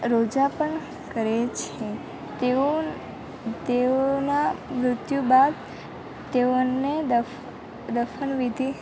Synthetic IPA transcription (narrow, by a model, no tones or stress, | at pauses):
ɾod͡ʒapəɳ | kəɾet͡ʃʰe | t̪eo | t̪eonamɾʊt̪jubad̪ | t̪eoned̪ə | d̪əfʰənʋid̪ʱi